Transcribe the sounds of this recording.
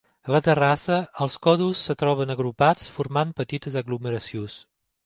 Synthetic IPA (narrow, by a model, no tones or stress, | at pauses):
ələt̪ərasəəlˠskɔðusːət̪ɾɔβ̞ənəɣɾupat͡sfuɾmampət̪it̪əzəɣluməɾəsjos